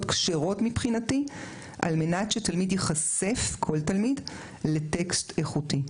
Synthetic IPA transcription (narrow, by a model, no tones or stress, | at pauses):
tkʃeʁo̞tmipχinati | ʔa̰lme̞natʃetalmidjeχase̞fkʰo̞ltalmid | le̞te̞ksteχuti